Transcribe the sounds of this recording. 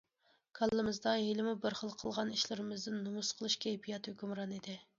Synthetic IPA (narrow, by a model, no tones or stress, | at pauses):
kʰɑlˠːɨmɨzd̪ɑɦelɪmubɪɾχəlˠqʰəlˠʁɑniʃlɪɾɪmɪzd̪ɪnːumusqʰəlˠɨʃkʲʰejpʰijɑt̪høkʲymɾɑnid̪ɪ